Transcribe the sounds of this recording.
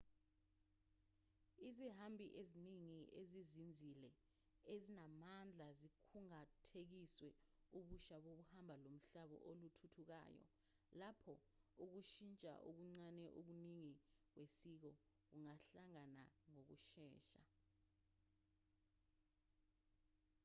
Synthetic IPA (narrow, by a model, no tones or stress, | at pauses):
iziɦambʱiʔeziniŋiʔezizind͡zʱilɛ | ezinamand͡ɮʱazikʰuŋatʰek̬iswɛuɓuʃaɓoɓuhambʱalom̩ɬaɓɔ̰ʔolutʰutʰuk̬a̰ːjɔ̰ | lapʰɔuk̬uʃint͡ʃʼa̰ʔuk̬uŋ͡ǀanɛʔuk̬uniŋik̬wesik̬ɔ | k̬uŋaɬaŋanaŋok̬uʃɛːʃa